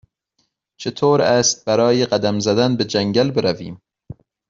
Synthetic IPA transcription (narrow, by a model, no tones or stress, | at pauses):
t͡ʃʰet̪ʰoːɾæːst̪̚bæɾɒːjeɢæd̪æmzæd̪ænbed͡ʒæŋɟælbeɾævḭːm